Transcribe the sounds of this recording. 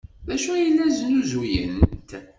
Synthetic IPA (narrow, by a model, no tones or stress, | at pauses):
ðæʃujəlːæznuzujə̰nt̪